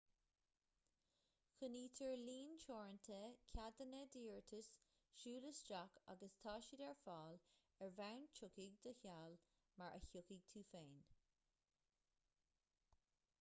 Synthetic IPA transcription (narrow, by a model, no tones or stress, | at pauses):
xəniːt̪ʰəɹliːnt͡ʃʰoːɹənt̪ʰəkʰad̪ənəd̪iːɹt̪ʰəs | ʃuːləsd͡ʒaka̰ɡəst̪ʰɑːʃidɛɹfɑːl | ɛɹvawnt͡ʃʰʊkiɡ̚d̪əçaːl | maɹʔə̰çʊkiɡ̚t̪ʰuːfeːn